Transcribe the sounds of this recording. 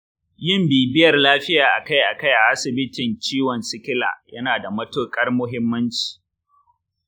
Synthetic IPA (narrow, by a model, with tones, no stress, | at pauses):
jɪ˦mbiː˨bɪ˦jɐ˨rlaː˦ɸɪ˦jaː˨ʔa˨ka˦jʔa˨ka˦jʔa˨ʔa˦sɪ˨bɪ˦tɪ˨nt͡ʃiː˦wɔ˨nsɪ˦kʲɪ˦la̰ː˨jɐ˦naː˨da˨mɐ˦toː˦kʼɐ˦rmʊ˦ɦɪ˦mːɐ˦nt͡ʃi̥ː˨